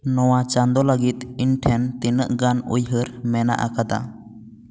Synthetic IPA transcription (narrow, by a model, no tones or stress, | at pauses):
nɔwat͡ʃand̪ɔləɡit̪̚inʈʰɛnt̪inəʔɡanṵjɦəɾmɛna̰ʔa̰kad̪a̰